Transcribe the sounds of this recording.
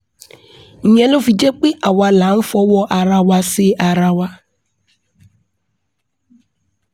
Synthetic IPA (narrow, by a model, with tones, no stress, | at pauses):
ɲɛ˨lo˦fi˨d͡ʒe˦k͡pe˦ʔa˨wa˨la˨˦n̩˦fɔ˦wɔ˦ʔa˨ɾa˦wa˦sɪ˦ʔa˨ɾa˦wa˦